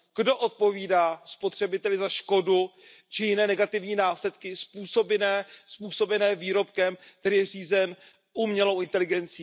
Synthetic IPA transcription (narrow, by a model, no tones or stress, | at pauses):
ɡ̥do̞ʔot̪̚po̞viːdaːspo̞t̪r̝̥ɛbɪt̪ɛlɪzaʃko̞du | t͡ʃɪjɪnɛːnɛɡat̪ɪvɲiːnaːslɛt̪kɪspuːso̞bɪnɛːspuːso̞bɛnɛːviːɾo̞pkɛmk̚t̪ɛɾiːjɛr̝iːzɛn | ʔuːmɲɛlo̞wʔɪnt̪ɛlɪɡɛnt͡siː